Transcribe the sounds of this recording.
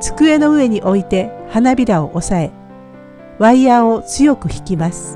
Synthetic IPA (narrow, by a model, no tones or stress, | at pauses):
t͡sɨ̥kɯ̟e̞no̞ɯ̟e̞ɲ̟iʔo̞it̪e̞hanabʲiɾao̞ʔosae̞ | βaiao̞t͡sɨjo̞kɯ̟çi̥kʲimasɨ̥